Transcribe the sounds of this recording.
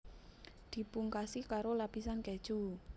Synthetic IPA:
d̪̥i̤puŋkasikaɾolapisankɛ̥ʒ̥u

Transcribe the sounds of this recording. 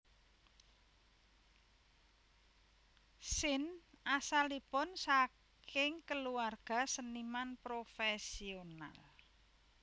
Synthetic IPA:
sɪnʔasalipʊnsa | kkɪŋkəluarɡ̥a̤sənimanpɾofɛsiona̰l

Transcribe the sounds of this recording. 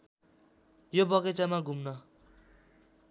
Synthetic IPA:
jobʌket͡samaɡʱumnʌ

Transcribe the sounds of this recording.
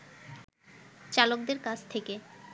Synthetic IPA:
t͡ɕalok̚d̪eɾkat͡ɕʰt̪ʰeke

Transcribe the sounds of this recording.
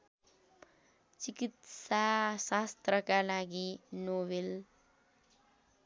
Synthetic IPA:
t͡sikit̪sasast̪rʌkalaɡinobel

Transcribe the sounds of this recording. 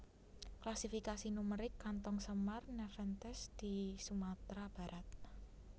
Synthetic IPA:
klasifikasinuməɾɪkːant̪ɔŋsəmarnɛfɛnt̪ɛsd̪̥i̤sumat̪ɾab̥a̤ɾʔat̪̚

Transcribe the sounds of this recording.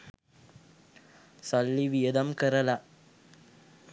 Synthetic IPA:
sɐlːiʋijɐd̪ɐmkɛɾɐla

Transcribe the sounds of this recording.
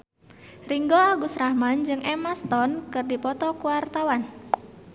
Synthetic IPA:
riŋɡoaɡusɾahmand͡ʒɨŋʔɛmast̪ɔnkɨrdipɔt̪ɔkuwart̪awan

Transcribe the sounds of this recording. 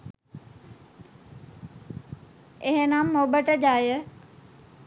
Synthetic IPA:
eɦenamːobəʈəd͡ʒaːjə

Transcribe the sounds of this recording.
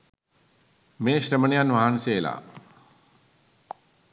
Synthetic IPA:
meːɕɾəməɳijanʋaɦaːnseːla̰

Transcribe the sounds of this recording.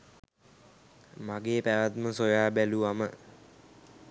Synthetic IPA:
maɡeːpæʋat̪məsojaːbæluʋamə

